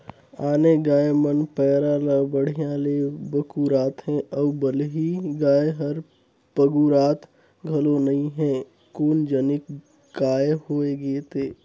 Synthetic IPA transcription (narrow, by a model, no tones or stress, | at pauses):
aːneɡaːemənpɛːɾalabəɽ̤ijãleːbɐkuɾaːt̪ɦɛ̃ʔəbbəleɦiɡaːeɦɐɾ | pəɡuɾaːt̪ʰ | ɡʱɐlonɐĩɦɛ̃ː | koːnd͡ʒɐnɪk | ɡaːehoːeɡeːt̪ʰeː